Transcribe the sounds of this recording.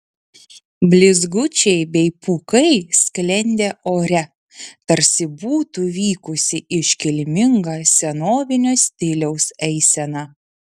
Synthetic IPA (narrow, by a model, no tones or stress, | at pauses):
bʲlʲɪzɡʊt͡ʃʲɛɪbʲɛɪpuːkɐɪsʲklʲɛnʲd̪ʲeːoːɾʲɛ | t̪ɐɾʲsʲɪbuːt̪uʋʲiːkʊsʲɪɪʃʲkʲɪlʲmʲɪŋɡɐːsʲɛnoːʋʲɪnʲoːsʲt̪ʲɪlʲɛʊsɛɪsʲɛnɑː